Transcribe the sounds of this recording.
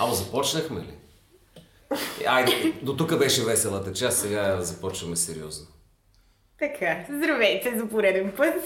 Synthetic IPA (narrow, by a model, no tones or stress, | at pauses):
ɐmozɐpɔt͡ʃnəxmɛ̰lḭ | ad̪ot̪ukəbɛʃɛvɛsɛlˠət̪ət͡ʃassɛɡazɐpɔt͡ʃnəmɛsɛɾḭɔ̰zno | t̪ɐkʰazd̪ɾɐvɛjt̪ɛzɐpoɾɛd̪ɛnpət̪